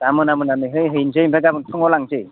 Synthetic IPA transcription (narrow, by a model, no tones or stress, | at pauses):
amɯnamɯnanɯjɦɯjɦɯjnzɯjmpʰaɡabɯŋtʰɯŋɔlaŋzɯj